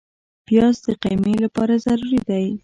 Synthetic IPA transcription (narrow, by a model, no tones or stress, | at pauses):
b̥jɑzd̪əqajmelapɑɾazaɾuɾid̪aj